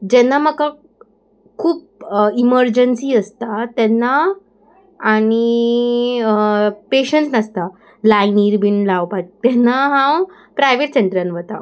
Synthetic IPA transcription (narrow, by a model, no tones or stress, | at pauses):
d͡ʑɛnːaməka | kʰuːp̚ | iməɾd͡ʑənsiːəst̪at̪ɛnːaː | ɽ̃i | peɕəɳsnəst̪a | lainiɾbinlaʋpat̪̚t̪ːɛnːaɦãw | pɾajʋeʈseɳʈəɾanʋət̪a̰